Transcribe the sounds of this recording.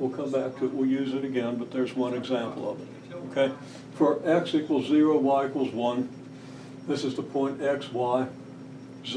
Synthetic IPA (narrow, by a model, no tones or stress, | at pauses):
wəlˠkʰʌ̃mbæk̚tʰɨɨʔ̚wilˠjʉzɨɾɨɡɛ̃nbʌt̪̚ðə˞zwʌ̃nɨɡzæ̃mpl̩ˠʌ̰vɨt̚ | oʊkʰeɪ | fə˞ɛksikwl̩ˠzɪɹoʊwaɪɪkwl̩ˠzwʌ̃n | ðɪsɨzðəpʰɔ̃ɪ̃ntɛkswaɪ | z